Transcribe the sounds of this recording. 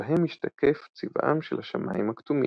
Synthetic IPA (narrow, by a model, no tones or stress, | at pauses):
aɦemiʃtakeft͡sivʔa̰mʃelhaʃamʔaːimhakt̪umḭ